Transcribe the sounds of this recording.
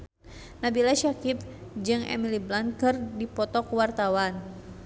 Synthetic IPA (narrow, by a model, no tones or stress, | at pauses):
nabilaʃakip̚d͡ʒɨŋɛ̰miliblankɨrdipɔt̪ɔkuwart̪awan